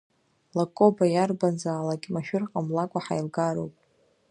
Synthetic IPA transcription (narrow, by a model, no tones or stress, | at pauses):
lakʼobajarbanzaːlaɡʲʼmaʃᶣʊrqʼamlakʷʼaħa̰jlɡaɾo̰wpʼ